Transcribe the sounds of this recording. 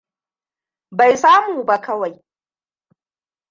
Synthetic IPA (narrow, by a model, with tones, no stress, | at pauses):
ba˨jsaː˦muː˨ba˦kɐ˦wa˨j